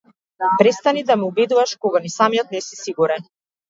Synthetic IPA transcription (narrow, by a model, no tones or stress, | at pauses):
pɾɛst̪anid̪amɛubɛd̪uvaʃkɔɡanisamijɔt̪̚nɛsi̥siɡuɾɛn